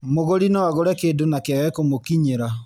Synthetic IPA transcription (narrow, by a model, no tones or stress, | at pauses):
moɣoɾinɔwaɣoɾɛkeːdonakeaɣɛkomokiɲeɾa